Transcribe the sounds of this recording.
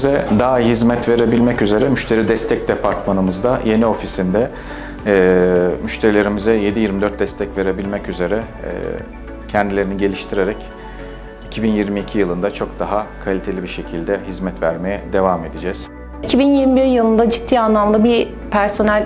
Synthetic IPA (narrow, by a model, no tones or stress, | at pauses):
zɛd̪aːɦizmɛt̪ve̞ɾe̞bilʲmɛcyze̞ɾɛmyʃt̪ʰe̞ɾid̪ɛst̪ʰɛc̚d̪epʰaɾt̪manɯmɯzd̪aje̞nio̞fisind̪ɛː | myʃt̪ʰe̞ɾilʲe̞ɾimizɛje̞d̪ijiɾmid̪øɾt̪̚d̪ɛst̪ʰɛcve̞ɾe̞bilʲmɛcyze̞ɾɛ̰ | cʰɛnd̪ilʲe̞ɾiniɟe̞lʲiʃt̪ʰiɾe̞ɾɛc | icʰibinjiɾmiːcʰijɯlˠɯnd̪at͡ʃʰo̞k̚d̪aɦakʰalʲit̪ʰe̞lʲibiʃe̞cʰilʲd̪ɛɦizmɛt̪væɾme̞jɛd̪e̞vame̞d̪id͡ʒɛːz̥ | icʰibinjiɾmibiɾijɯlˠɯnd̪ad͡ʒit̪ʰːiːanlˠamlˠɯbi | pʰæɾso̞nælʲ